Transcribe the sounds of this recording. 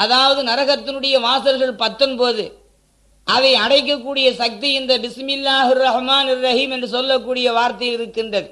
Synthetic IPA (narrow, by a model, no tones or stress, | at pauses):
ʔɐðaːʋɐðɯnɐɾɐɣɐt̪ːɪnɯɽɐjɐʋaːsɐlɣɐɭpɐt̪ːɯnpoːðɯ | ʔɐðɐɪɐɽɐɪk̬ːɐk̬ːuːɽɪjɐsɐk̚t̪iɪnd̪ɐbɪsmɪlːaːɦɪrːɐhmaːnɪrːɐhiːmɛndrɯsɔlːɐkːuːɽɪjɐʋaːɾt̪ɐjɪlɪɾɯkːɪndrɐðɯ